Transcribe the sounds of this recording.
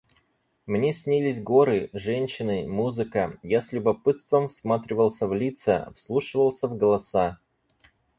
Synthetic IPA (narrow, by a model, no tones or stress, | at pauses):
mnʲesʲnʲilʲɪsʲɡo̞ɾɨʐɛnʲɕɪnɨmuzɨkəjasʲlʲʊbɐpɨt̪st̪vəmfsmat̪ɾʲɪvəlˠsʲəvlʲit̪sə̰fslˠuʂɨvəlˠsʲəvɡəlˠɐsa